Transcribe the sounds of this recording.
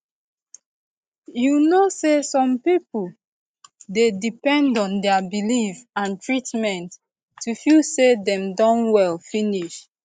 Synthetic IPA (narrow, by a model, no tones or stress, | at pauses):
junosesɔ̃mpipul | dedipɛ̃ndɔ̃ndɛəbilifãntʰɹitmɛ̃ntː | ufisedɛ̃mdɔ̃nwɛlfiniʃ